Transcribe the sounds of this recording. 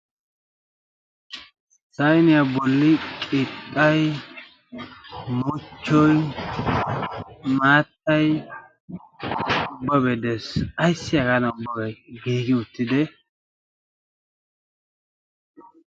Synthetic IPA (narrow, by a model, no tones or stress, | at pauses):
sɐjnɪjabɔlːɪkʼɪt̪ʼːɐj | mʊt͡ʃːɔj | maːt̪ːɐj | ʊbːɐbɛd̪ɛsɐjsːɪjɐkanɐʊbːɐɡɐjɡiːɡɪʊt̪ːɪd̪ɛ